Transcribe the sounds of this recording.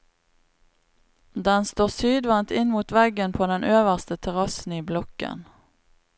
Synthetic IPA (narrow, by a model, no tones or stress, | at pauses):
d̪ɛnst̪oːʁsyːd̪ʋɑnt̪ɪnmuːt̪ʋɛɡənpʰoːd̪ɛnʔøːʋəʁst̪ət̪ʰɛʁɑsn̩iːblɔkə̰n